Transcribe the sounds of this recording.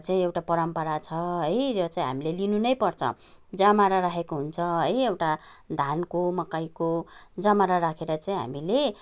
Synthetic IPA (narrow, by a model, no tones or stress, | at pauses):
t͡saĩewʈapʌɾʌmpʌɾat͡sʰʌɦʌjɾʌt͡saĩɦa̰milelinunʌjpʌrt͡sʰʌ̰ | d͡zamaɾaɾaɦʰekoɦunt͡sʰʌɦʌjewʈa | d̪ʱankomʌkajkod͡zamaɾaɾakʰeɾʌt͡saĩɦa̰mile